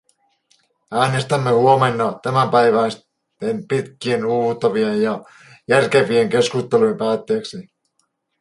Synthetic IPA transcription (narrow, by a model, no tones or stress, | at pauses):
æːne̞st̪æmːehuomenːɑt̪æmæmpæjʋæis | empit̪k̟ienuːt̪ɑʋiejjɑ | jærkeʋieŋke̞skust̪elujempæːt̪ːeːksi